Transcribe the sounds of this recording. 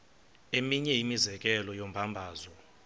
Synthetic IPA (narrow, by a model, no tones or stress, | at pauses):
emiɲɛimizɛk̬ʼɛlɔjom̩bʱambʱaːzɔ